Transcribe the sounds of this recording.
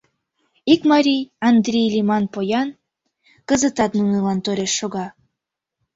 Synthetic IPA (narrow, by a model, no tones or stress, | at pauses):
ikmɑɾʲijɑnd̪ɾʲejlʲimɑnpojɑn | kəzət̪ɑt̪nunɯlɑnt̪øɾʲeʃːoɣɑ